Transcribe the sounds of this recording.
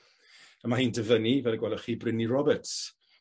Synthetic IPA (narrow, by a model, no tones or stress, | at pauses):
əmahiːndəvənivɛlˠiɡwɛlˠəχiːbrɪnirɔbɛts